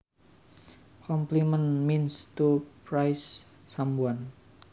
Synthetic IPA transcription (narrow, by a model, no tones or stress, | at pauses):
kɔmplimənminst̪upɾajsː | ambuan